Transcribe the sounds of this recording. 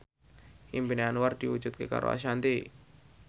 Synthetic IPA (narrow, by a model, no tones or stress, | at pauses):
imbineanward̪̥iu̥d͡ʒ̥ut̪̚keka̰ɾo̰a̰ʃ̬ant̪i